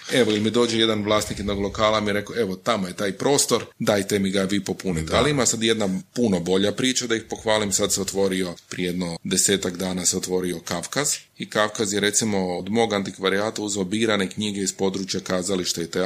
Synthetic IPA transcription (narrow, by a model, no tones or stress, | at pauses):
e̞ʋoilmid̪o̞ːd͡ʒeje̞d̪anʋlˠaːst̪nikjed̪noɡlˠo̞kaːlamijeɾe̞koe̞ʋo̞t̪amoje̞t̪aːjpɾo̞ːst̪o̞ɾd̪ajt̪e̞miɡaʋiːpopunit̪ealiimasad̪je̞d̪napuno̞bo̞ʎapɾiːt͡ʃad̪aixpo̞xʋaːlimsad̪seot̪ʋo̞ɾio̞pɾieje̞d̪nod̪e̞seːt̪aɡd̪aːnaseot̪ʋo̞ɾio̞kafkaz | ikafkazjeɾe̞t̪simo̞od̪mo̞ːɡant̪ikʋaɾiaːt̪auzoobiːɾane̞kɲiɡeispo̞d̪ɾuːt͡ʃjakaːzaliʃt̪eit̪e